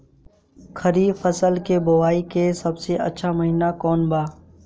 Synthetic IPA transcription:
kʰəɾiːfəsəlkebʊʋaːikesɐbseʔə̰tːʃʰaməɦiːnakɔːnbaː

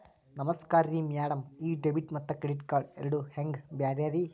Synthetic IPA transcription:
nɐmɐskaːɾɾiːmjaːɽɐmiːɖebiʈmɐt̪ːɐkeɽiʈkaːɖeɾɐɽuheŋɡbjaːɾjaːɾi

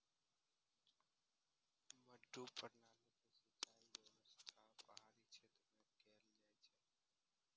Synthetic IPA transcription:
məɖuːpəɾnaːlekesət͡ʃaːienəst̪ʰaːpəɦaːɾit͡ʃʰeːt̪ɾmẽkɛɾld͡ʒaːit͡ʃʰeː

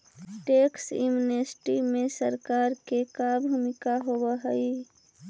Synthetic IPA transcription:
ʈeːksjṵmunesʈimẽsəɾkaːɾkekabʱumɪkaɦowəɦəi

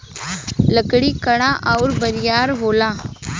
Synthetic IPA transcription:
lɐkɐɽikɐɽãːʔɐʋʊɾbɐɾɪjaːɾɦoːlãː

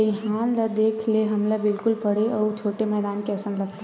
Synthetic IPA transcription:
ɦãːlad̪eːkʰleɦɐmlabɪlkʊlpɐɽeɔːt͡ʃʰoːʈemɛːd̪aːnkeɐsə̃nd̪lɐɡ̚t̪e

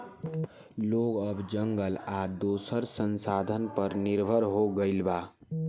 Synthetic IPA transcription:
loɡəbd͡ʒəŋɡəlad̪oːsəɾsənsaːd̪ʱənpəɾnɪɾbʱəɾɦoɡəɪlba

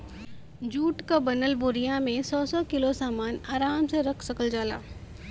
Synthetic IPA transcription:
d͡ʒuːʈkabɐnəlbʊɾijãmẽsɔːsɔkɪlosaːmaːnaːɾaːmsẽɾɐkʰsɐkəld͡ʒaːla̰ː

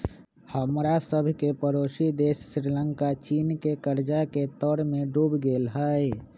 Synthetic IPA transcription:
həmɾasəbʱkepəɾosid̪essɾiləŋkat͡ʃinkekəɾd͡ʒaket̪ɔɾmeɖubɡelɦəj

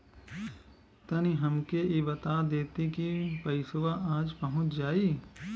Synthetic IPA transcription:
t̪ɐniɦɐmkeebɐt̪ad̪eːt̪ikipɐɪsʋaʔaːd͡ʒpɐɦʊ̃t͡ʃʰd͡ʒaːiː

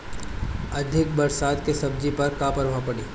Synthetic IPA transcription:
ɐd̪ʱɪk̚bɐɾsaːd̪kesɐbd͡ʒipɐɾkaːpəɾʋapɐɽiː

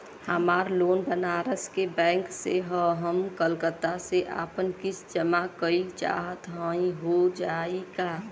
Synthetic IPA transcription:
həmaːɾloːnbənaɾəskebɛ̃ːŋkseɦəɦəmkəlkət̪ːaseʔa̰ːpənkɪt͡ʃʰd͡ʒəmakəit͡ʃa̰ɦət̪ɦə̃ĩɦod͡ʒaːika

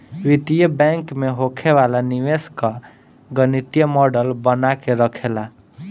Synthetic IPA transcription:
wit̪ijəbaŋkmeɦokʰebalaniweskʌ | ɡʌnit̪jəmɔɖəlbənakeɾʌkʰela

